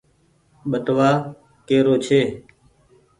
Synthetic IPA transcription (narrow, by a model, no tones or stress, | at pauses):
ɓəʈʋaː | keːɾoːt͡ʃʰeː